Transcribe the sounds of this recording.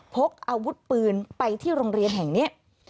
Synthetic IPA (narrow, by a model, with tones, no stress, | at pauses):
pʰo˦˥k̚ʔaː˧wu˦˥t̪̚pɯː˧npa˧jt̪ʰiː˥˩ɾoː˧ŋɾi˧ənɦɛ˨˩ŋni˦˥ɐ